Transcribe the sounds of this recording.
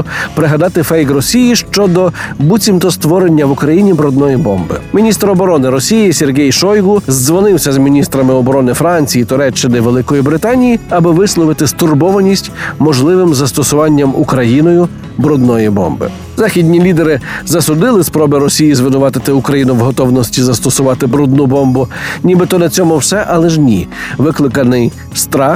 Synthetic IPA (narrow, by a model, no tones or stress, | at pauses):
pɾɪɦɐd̪ɑt̪ɪfɛjkɾɔsʲijiʃt͡ʃɔd̪ɔbut͡sʲimt̪ɔst̪ʋɔɾenʲːɐʋukɾɐjinʲibɾɔd̪nɔjibɔmbɪ̰mʲinʲist̪ɾɔbɔɾɔnɪɾɔsʲijisʲerɦʲɛjʃɔjɡʊzzʋɔnɪwsʲɐzmʲinʲist̪ɾɐmɪɔbɔɾɔnɪfɾɑnʲt͡sʲijit̪ʊɾɛt͡ʃːɪnɪʋelˠɪkɔjibɾɪt̪ɑnʲijiɐbɪʋɪslˠɔʋɪt̪ɪst̪ʊrbɔʋɐnʲisʲtʲmɔʒlˠɪʋɪmzɐst̪ɔsʊʋɑnʲːɐmukɾɐjinɔjʊ | bɾɔd̪̚nɔjibɔ̰mbɪ̰ | zɑxʲidʲnʲilʲid̪eɾɪzɐsʊd̪ɪlˠɪspɾɔbɪɾɔsʲijizʋɪnʊʋɑt̪ɪt̪ɪukɾɐjinʊʋɦɔt̪ɔwnɔsʲtʲizɐst̪ɔsʊʋɑt̪ɪbɾɔd̪̚nubɔmbʊnʲibɪt̪ɔnɐt͡sʲɔmʊwsɛʔɐlˠɛʒnʲiʋɪklˠɪkɐnɪj | st̪ɾɑ